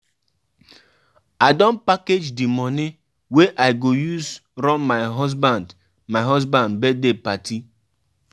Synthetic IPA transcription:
adɔ̃n̩paked͡ʒdimɔnɪ | weʔaɪɡojuzɾɔmmaɪɦɔzbãnd | maɪɦɔzbãndbɛdepatʰi

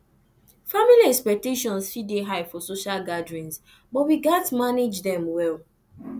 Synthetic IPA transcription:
familiɛkspɛk̚teʃɔ̃nsfideɦaɪfɔsoʃalɡadɹĩns | bɔtwiɡatmaned͡ʒdɛ̃mwɛl

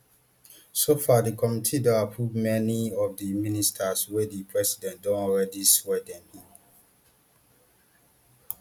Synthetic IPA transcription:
sofadikʰɔmitʰidɔ̃apʰɹuvmɛniɔvdiministʰaswɛdipʰɹɛsidɛ̃nt̚dɔ̃nɔɹɛdiswɛdɛ̃mi

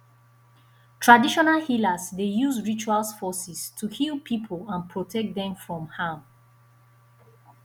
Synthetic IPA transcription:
tʰɹadiʃɔnalhilazdejuzɹit͡ʃualsfɔsistʰuhilˠpʰipʰəlãnpʰɹotʰɛk̚dɛ̃mfɹɔ̃mhãm

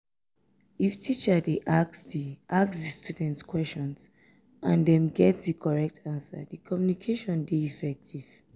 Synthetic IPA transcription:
iftʰit͡ʃədeʔaksdiʔasksdistudɛ̃ntskʰwɛst͡ʃɔ̃nz̥ | ʔãndɛ̃mɡɛtsdikʰɔɹɛk̚tʰãnsə̰dikʰɔmjunikʰeʃɔ̃ndeifɛk̚tʰiv̥

